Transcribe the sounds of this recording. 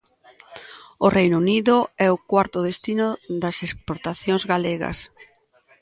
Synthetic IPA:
ʊrejnuniðʊɛʊkwaɾt̪ʊðest̪inʊðɐsespoɾt̪aθjõŋzɣaleɣɐ̰s

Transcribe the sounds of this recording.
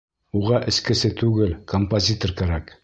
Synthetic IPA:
uʁɑʔɘ̆skɘ̆sɘt̪ʉɡɘlkompozʲit̪orkæɾæk

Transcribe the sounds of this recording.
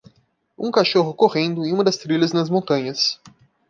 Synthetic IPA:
ũkaʃoɦʊkoʁẽnd̪ʊẽj̃ũmɐd̪ɐst̪ɾiʎɐznɐzmõnt̪ɐ̃ɲɐs

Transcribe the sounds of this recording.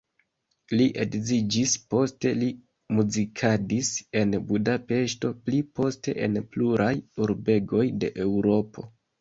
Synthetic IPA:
liʔe̞kzid͡ʒispo̞ste̞li | muzikʰadise̞nbudape̞ʃto̞plipo̞ste̞̰ʔḛnpluɾʔajuɾbe̞ɡo̞jde̞̰ʔe̞wɾo̞pʰo̞̰

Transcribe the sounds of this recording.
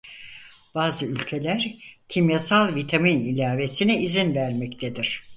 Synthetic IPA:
b̥aːzɯylʲcʰe̞lʲæɾcʰimjasalˠvit̪ʰaminilʲaːve̞sinɛizinvæɾmɛct̪ʰed̪iɾ̥

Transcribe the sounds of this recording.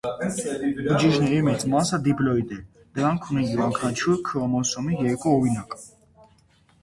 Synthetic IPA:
bəd͡ʒiʒnɛɾimɛt͡sʼmɑsəd̪iplɔid̪ɛ | d̪̥əɾɑŋkʰunijiɾɑŋkʰɑnt͡ʃʰuɾkʰəɔmɔsɔmijɛɾkuɔɾinɑkʼ

